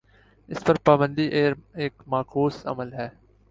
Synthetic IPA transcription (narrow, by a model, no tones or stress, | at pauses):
ɪspɐɾpaːbə̃nd̪iːʔeːɾeːkmaːkʰuːsɐ̰məlɦɛː